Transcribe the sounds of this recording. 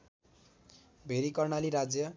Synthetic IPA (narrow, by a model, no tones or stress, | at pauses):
bʱeɾikʌrnaliɾad͡zjʌ